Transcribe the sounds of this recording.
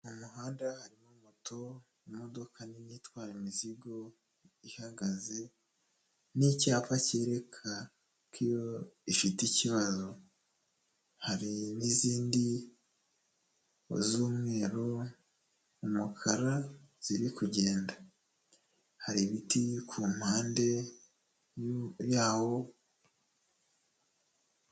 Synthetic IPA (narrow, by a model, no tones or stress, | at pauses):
umuɦaːndahaɾimumutʰo̞ | mo̞do̞kʰaninitwaːɾemiziɡo̞ | ihaɡaze̞ | nicaːpaceːɾe̞kʰa | kijo̞ifiticiβazo̞ | haɾiniziːndi | o̰zuːmŋe̞ːɾo̞ | umukʰaɾaz̥iɾikuɟe̞ːnda | haɾiβitikʰuːmhaːnde̞ | jaːwo̞